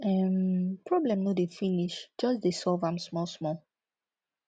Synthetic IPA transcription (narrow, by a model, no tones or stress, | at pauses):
ɛmpɹɔblɛ̃mnodefiniʃd͡ʒʌsdesɔlvãmsmɔlsmɔl